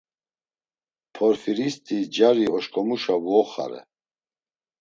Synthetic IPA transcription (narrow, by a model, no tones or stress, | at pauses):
pʰɔɾfiɾist̪ʼid͡ʒaɾiɔʃkʼɔmuʃavɔɔχa̰ɾɛ̰